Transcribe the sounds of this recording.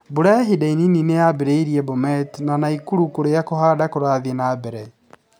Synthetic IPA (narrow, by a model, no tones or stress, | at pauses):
boɾaɦidaininineabeɾeiɾiɛbomɛtnanaikuɾukoɾejakohaːdakoɾaðenabɛɾɛ